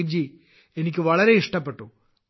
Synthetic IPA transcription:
d͡ʑi | e̞nik̬ʲːɨʋɐɭɐɾe̞iʂʈɐpːe̞ʈːu

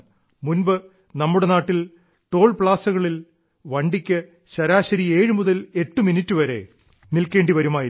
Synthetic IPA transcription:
munbɨ | nɐmːuɽe̞naːʈːil | ʈo̞ːɭpɭaːsɐɣɐɭil | ʋɐɳɖikʲːɨ | ɕɐɾaːɕɐɾie̞ːɻɨmuðɐle̞ʈːɨminitːɨʋɐɾe̞̰ | nilke̞ːɳɖiʋɐɾumaːjiɾ

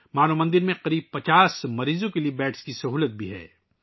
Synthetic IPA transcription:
maːnomɐ̃nd̪ɪɾmẽqɐɾiːb̚pɐt͡ʃaːsmɐɾiːzõkeliebɛːʈskisɐɦuːlət̪̚bʱiɦɛ̰ː

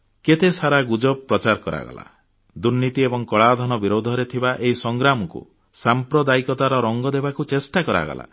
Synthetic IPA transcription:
ket̪esaɾaɡud͡ʒɔbpːɾɔt͡ʃaɾkɔɾa̰ɡɔ̰la̰ | d̪uɾnit̪iebɔŋkɔɭad̪ʱɔnɔbiɾod̪ʱɔɾet̪ʰibaʔeɦisɔŋɡɾamɔkṵ | sampɾɔd̪aikɔt̪aɾɔɾɔŋɡɔd̪ebakut͡ʃesʈakɔɾa̰ɡɔ̰la̰

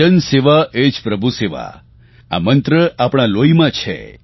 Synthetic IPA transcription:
ənseʋaʔed͡ʒpɾəbʱuseʋa̰ | a̰mənt̪ɾəapɳ̃aloimãt͡ʃʰḛ

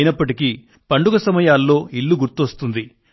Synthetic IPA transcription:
jinɐpːɐʈiki | pɐɳɖuɡɐsɐmɐjaːlːo̞ːilːuɡuɾt̪ːuʋɐst̪und̪i

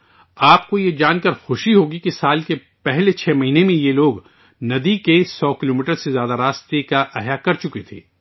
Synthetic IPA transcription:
aːpkojed͡ʒaːnkɐɾxʊʃiɦoːɡikisaːlke | pɛɦlet͡ʃʰɛːmɐɦiːnemẽjeloːɡ | nɐd̪ikesɔːkɪloːmiːʈəɾsezjaːd̪aɾaːst̪ekaʔɐɦjakɐɾt͡ʃʊket̪ʰḛː

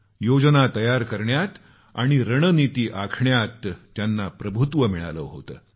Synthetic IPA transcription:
jod͡zənat̪əjaɾkəɾɳjat̪ | a̰ɽ̃iɾəɳ̃ənit̪iːʔakʰɳjat̪ːjanːapɾəbʱut̪ʋəmiɭa̰ləɦo̰t̪ə̰ː

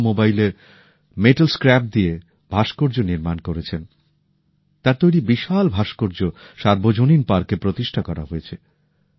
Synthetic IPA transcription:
mobajleɾ | meʈalskɾɛp̚d̪ie | b̥ʱaʃkoɾd͡ʑoniɾmankoɾet͡ɕʰen | t̪aɾt̪ojɾibiʃalbʱaʃkoɾd͡ʑoʃaɾbod͡ʑoninpaɾkepɾot̪iʃʈʰakɔɾa̰ɦoet͡ɕʰe

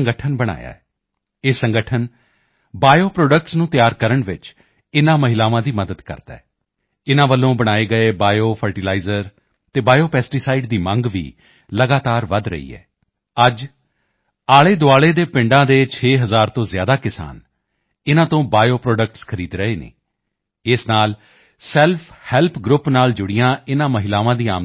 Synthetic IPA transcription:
əŋɡəʈʰənbəɽ̃a̰ːja̰ːɛ | eːsəŋɡəʈʰən | baːjoːpɾoːɖək̚ʈsnũːt̪jaːɾkəɾəɳʋɪt͡ʃ | ɪnãːməɦɪlaːʋãːd̪iːməd̪əd̪kə̰ɾt̪a̰ː | ɪnãːʋəlːõːbəɽ̃aːeːɡəeːbaːjoːpʰəɾʈɪlaːizəɾ | t̪eːbaːjoːpɛːsʈiːsaːɪɖd̪iːmə̃ŋɡʋḭː | ləɡaːt̪aːɾʋəd̪ɾə̰ḭːɛ̰ː | əd͡ʒ | aːɭeːd̪ʊaːɭeːd̪eːpɪ̃ɳɖãːd̪eːt͡ʃʰeːɦəzaːɾt̪õːzjaːd̪aːkɪsa̰ːn | ɪnãːt̪õːbaːjoːpɾɔːɖək̚ʈskʰəɾiːd̪ɾəeːnḛː | ɪsnaːl | sɛlpʰhɛːlpʰɡɾʊpnaːld͡ʒʊɽɪjãːɪnãːməɦɪlaːʋãːd̪iːa̰ːm

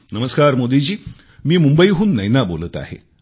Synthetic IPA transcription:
nəməskaɾmod̪id͡ʑiː | miːmumbəiːɦuːnːəjnabolət̪a̰ɦḛ

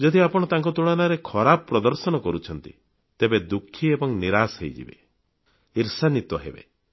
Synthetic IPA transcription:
d͡ʒɔd̪ʱiapɔɽ̃ɔt̪aŋk̬ɔt̪uɽ̃anaɾekʰɔɾabɔpːɾɔd̪ɔɾsɔñɔkɔɾut͡ʃʰɔnt̪ḭ | t̪ebed̪ukʰːiebɔŋniɾasɦejd͡ʒḭbḛ | iɾsanit̪ɔɦḛbḛ

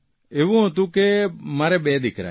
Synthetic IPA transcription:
eʋũɦot̪̬ukemaɾɛbɛːd̪ɪkɾa̰

